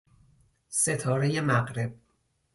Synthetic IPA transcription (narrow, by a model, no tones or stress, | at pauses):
se̞t̪ʰɒːɾe̞je̞mæɣɾe̞b̚